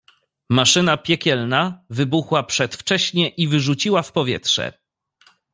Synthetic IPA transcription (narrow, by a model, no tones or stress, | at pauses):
maʂɘnapʲjɛkʲɛlnavɘbuxwapʂɛt̪ft͡ʂɛɕɲɛʔivɘʐut͡ɕiwafpɔvʲjɛ̰tʂɛ̰